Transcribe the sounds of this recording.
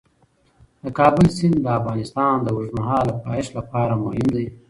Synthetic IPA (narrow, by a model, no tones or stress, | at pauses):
d̪̥əkɑːbʊlsɪnd̪d̪əafɣɑnɪst̪ɑnd̪əwʊʐmaɦɑːlapɑɪʃlapɑɾamohɪnd̪aj